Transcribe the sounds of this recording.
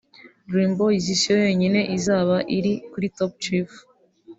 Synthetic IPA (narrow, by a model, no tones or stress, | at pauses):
ɾiːmboizisiojo̞ːɲine̞ʔizaːβaʔiɾikuɾitop̚t͡ʃif